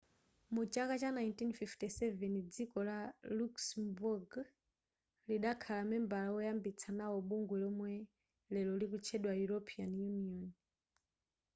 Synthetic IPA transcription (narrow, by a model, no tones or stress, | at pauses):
mut͡ʃakat͡ʃanajntinfiftisɛvɛnd͡zikɔlaluksmbuɡ | liɗakʰalamɛmbalawɔjambit͡sʰanawɔɓuŋɡwɛlɔmwɛ | lɛlɔlikut͡ʃʰɛɗwajuɾɔpʰianjuniɔn